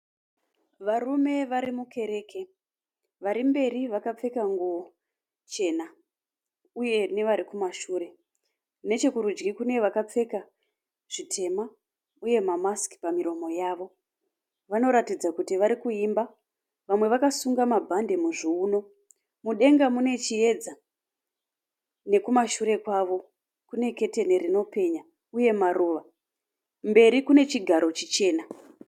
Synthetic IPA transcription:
ʋarume̞ʋaɾimuke̞ɾe̞ːkʰe̞ | ʋaɾimbe̞riʋakap͡fe̞kaŋɡo | t͡ʃe̞ːna | uje̞ne̞ʋaɾikumaʃuːɾe̞ | ne̞t͡ʃe̞kuɾud͡ʒɡikune̞ʋakap͡fe̞ka | ʐ̥itʰe̞ma | uje̞mamaski̥pamiɾo̞mo̞jaːʋo̞ | ʋano̞ɾatid͡zakutiʋaɾikuimba | ʋamwe̞ʋakasuŋɡamabʱande̞muʐiuno̞ | muɗe̞ŋɡamune̞t͡ʃie̞d͡za | ne̞kumaʃuɾe̞kwaʋo̞ | kune̞ke̞te̞neɾino̞pe̞ɲa | uje̞maɾuʋa | mbe̞ɾikune̞t͡ʃiɡʱaɾo̞t͡ʃit͡ʃe̞ːna

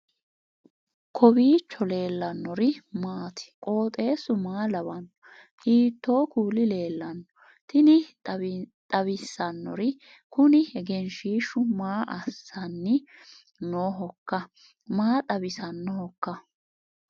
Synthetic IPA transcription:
kʰɔbiːt͡ʃːɔle̞ːlːɐnːɔɾɪmaːt̪ʰɪ̥kʼoːt̪ʼe̞ːsʊmaːlɐbɐnːɔ | hiːt̪ːoːkuːlɪle̞ːlːɐnːɔ | t̪ɪnɪ | t̪ʼɐβɪsːɐnːɔ̰ɾɪ | kʊnɪhɛɡɛnʃiːʃʊmaːʔɐsːɐnːɪ | noːɦɔkːɐ | maːt̪ʼɐbɪsɐnːɔhɔkːɐ

